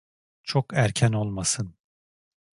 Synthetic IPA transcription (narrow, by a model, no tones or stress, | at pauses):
t͡ʃʰokæɾcʰæno̞lˠmasɯn